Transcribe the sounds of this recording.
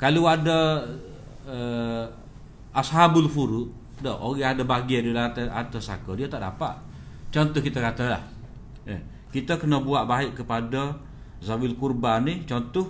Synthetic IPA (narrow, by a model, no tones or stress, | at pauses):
kaluadə | ə | ashabulfuɾuʔ | dɔoɣɛadəbaɡiədilat̪əa̰t̪əsa̰kədiət̪aʔdapa̰ʔ | t͡ʃɔnt̪ʊhkit̪əkat̪əla̰h | ə | kit̪əkənəbuaʔbaɪʔkəpadə | zawilkurbanːit͡ʃɔnt̪ʊh